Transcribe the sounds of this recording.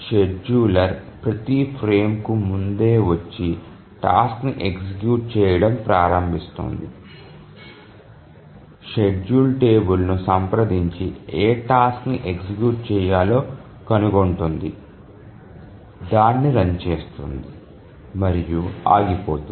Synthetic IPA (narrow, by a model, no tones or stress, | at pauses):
ʃe̞ɖd͡ʒuːlɐɾpɾɐt̪ipʰɾeːmkumund̪e̞ːʋɐt͡ʃːi | ʈaːskniʔeksikjuːʈ̚t͡ʃɛːjɐɽɐmpɾaːɾɐmbʱist̪o̰nd̪i | ʃeɖd͡ʒuːlʈe̞ːbulnusɐmpɾɐd̪iɲt͡ʃieːʈaːskniʔeksikjuːʈ̚t͡ʃɛːjaːlo̞ː | kɐnuɡoɳʈund̪i | d̪aːnːiɾɐɲt͡ʃe̞ːst̪und̪i | mɐɾijua̰ːɡipoːt̪u